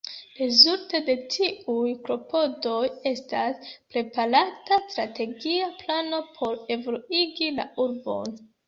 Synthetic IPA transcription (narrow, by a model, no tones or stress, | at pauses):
ɾe̞zulte̞de̞tʰiujklo̞pʰo̞do̞je̞staspɾe̞paɾatastɾate̞ɡiaplano̞pʰo̞ɾe̞voluiɡila̰uɾbo̞̰n